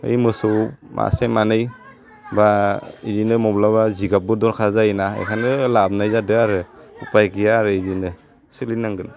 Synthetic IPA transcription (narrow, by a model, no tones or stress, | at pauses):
ɯ̰jmɯsɯwmʔa̰semanɯj | baizinɯmɔblaβaziɡap̚bɯdɔɾkʰazajinaḛjkʰanɯlab̚najzadɯaɾɯupajkijaːɾɯizinɯ | sɯlinaŋɡɯna